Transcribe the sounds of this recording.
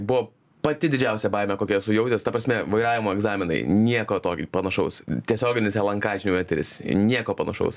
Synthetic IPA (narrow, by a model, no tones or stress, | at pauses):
bʊʋoː | pɐt̪ʲɪd̪ʲɪd͡ʒʲɛʊsʲɛbɐɪmʲɛkoːkʲɛɛsʊjɛʊt̪ʲeːst̪ɐpɾɐsʲmʲɛʋɐɪɾɑːʋʲɪmoːɛɡzɑːmʲɪnɐ̰ɪnʲiɛkoːt̪oːkʲɪpɐnɐʃɐʊst̪ʲiɛsʲoːɡʲɪnʲɪsɛlˠɐŋkɑːd͡ʒʲɪnʲuʋɛt̪ʲɾʲɪ̰snʲiɛkoːpɐnɐʃɐ̰ʊs